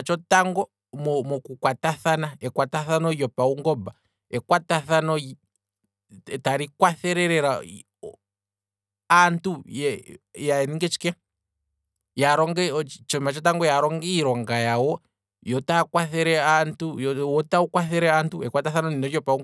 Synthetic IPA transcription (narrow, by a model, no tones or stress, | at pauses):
t͡ʃɔtaŋɡɔ | mɔmɔkukwataθanaɛkwataθanɔjɔpauŋɡɔba | ɛkwataθanɔ | taɾikwaθɛɾɛɾɛɾa | antujɛjaɛniŋɡɛt͡ʃi̥kɛ | jaɾɔŋɡɛt͡ʃɔmat͡ʃɔt̬aŋɡɔjaɾɔŋɡɛiɾɔŋɡajawɔ | jɔtakwaθɛɾɛantuwɔtaukwaθɛɾɛantuɛkwataθanɔninɔjɔpauŋ